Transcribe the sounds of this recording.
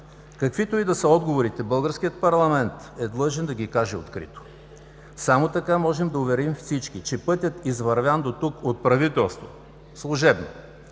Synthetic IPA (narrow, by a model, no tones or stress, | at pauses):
kɐkvit̪oid̪ɐsəɔd̪ɡovoɾit̪ɛbɤlˠɡəɾskijət̪̚pɐɾlˠɐmɛnt̪ | ɛd̪lˠɤʒɛnd̪ɐɡʲikaʒɛo̰t̪kɾḭt̪o̥ | samot̪ɐkamɔʒɛmd̪ɐʊvɛɾimfsit͡ʃkit͡ʃɛpɤt̪ʲjət̪izvɐɾvʲand̪ot̪ukot̪̚pɾɐvit̪ɛlˠst̪vo̰ | slˠʊʒɛbno̰